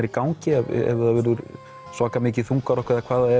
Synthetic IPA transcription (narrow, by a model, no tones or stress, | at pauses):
ɾikaːwɲcɪɛvɛ̰vðavɛːɾðʏɾ | svaːkamɪːc̬ɪθuŋkaɾɔhkʰvɛɾðakʰvaːðaɛ